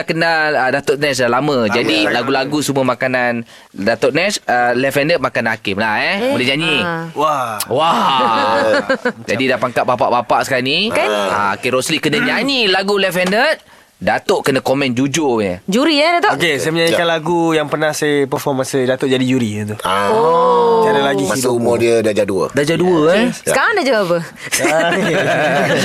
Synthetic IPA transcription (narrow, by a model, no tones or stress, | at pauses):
kənaədat̪ʊʔ̚nɛs̬dalamə̃d͡ʒadilaɡulaɡusumuəmakanan | dat̪ɔʔnɛsəlɛfɛndət̪̚makanhakɪmlahɛbolɛɲaɲiwawa | d͡ʒa̰didapaŋkaʔ̚bapaʔbapaʔsə̥kania̰o̰keɾoslikənəɲaɲilaɡulɛfɛndət̚ | dat̪oʔkənəkomɛ̃nd͡ʒud͡ʒoɲə̰d͡ʒuɾiɛdat̪ookesajəməɲaɲikanlaɡujaŋpərnahsaəpərfɔmansadat̪oʔd͡ʒadid͡ʒuɾit̪uaod͡ʒaɾalaɡiit̪umodiədad͡ʒaduə̰dad͡ʒaduəsəkaɾaŋdad͡ʒaapə